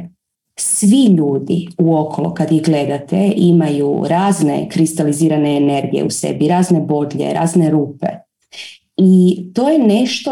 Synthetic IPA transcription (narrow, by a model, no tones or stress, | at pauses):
sʋiʎuːd̪iuo̞kʰolo̰kad̪jiɣɡle̞d̪at̪ḛʔimajṵɾaːzne̞̰kɾist̪aliziːɾane̞ːne̞ɾɡijḛusḛbiɾaːzne̞bo̞d̪ʎe̞̰ɾa̰ːzneɾuːpe̞̰ | it̪o̞ːjene̞ʃt̪o